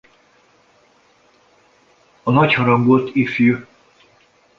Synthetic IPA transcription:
ɒnɒchɒɾɒŋɡolt̪ifjø

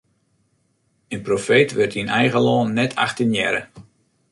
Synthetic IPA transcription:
ənprofeːtʋɪrtinɛjɣəlɔːnːɛtʰa̰xtənjɛ̰ɾə̰

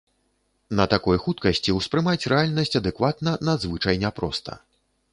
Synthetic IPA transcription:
nɐt̪akɔjxut̪kɐsʲt͡sʲiwspɾɨmat͡sʲrɛalʲnɐsʲt͡sʲɐd̪ɛkvat̪nɐnɐd̪zvɨt͡ʂɐjnʲapɾɔst̪ɐ̰

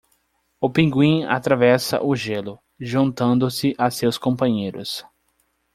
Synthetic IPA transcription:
ʊpĩŋɡwĩa̰t̪ɾavɛsɐ̰ʔʊʒelʊ | ʒũnt̪ɐ̃nd̪ʊsɪʔasewskõpɐ̃ɲejɾʊ̰s

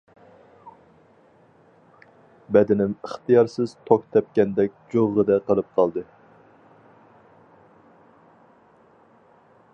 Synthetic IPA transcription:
bɛd̪ɪnɪməχt̪ijɑɾsɪz̥t̪ʰok̚ʲt̪ʰɛp̚kʲɛnd̪ɛk̚ʲd͡ʒoʁəd̪ɛqəlˠɨp̚qʰɑlˠd̪ɨ

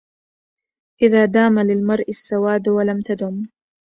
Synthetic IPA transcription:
ʔɪðaːd̪aːmalɪlmɑɾˤʔɪsːawaːd̪walamt̪ad̪ʊm

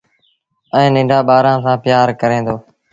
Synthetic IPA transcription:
ɛ̃ːnɪ̃ːɳɖaːɓaːɾãːsãːpɪjaːɾkəɾẽːnd̪oː

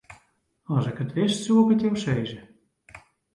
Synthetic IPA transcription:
ɔsɪkətʋɪstsuəpətjowseːzə

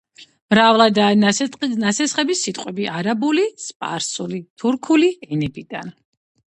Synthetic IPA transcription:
mɾavlˠad̪a | nasɛsχɛbisːit̪ʼqʼwɛbiʔaɾabulispʼa̰ɾsulit̪ʰuɾkʰuliɛnɛbid̪an

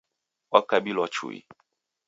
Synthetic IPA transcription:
wakabilɔt͡ʃṵḭ

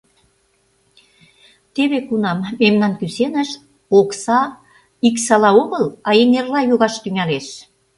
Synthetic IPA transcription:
t̪eβekunɑmːemnɑnkysenəʃ | oksɑ | iksɑlɑoɣəlɑjeŋerlɑjoɣɑʃt̪yŋæleʃ

